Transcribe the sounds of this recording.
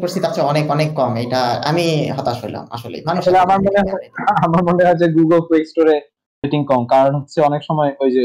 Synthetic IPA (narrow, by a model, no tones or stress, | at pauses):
poɾst̪it̪at͡ɕʰeɔnekɔnekːɔmejʈaa̰miɦɔt̪aʃojla̰ma̰ʃolḛjmanʃleamaɾmoneɦɔamaɾmoneɦɔt͡ɕʰeɡuɡolfesʈoɾe | eʈiŋkɔmkaɾonɦotːɕʰeɔnekʃɔmɔeojd͡ʑe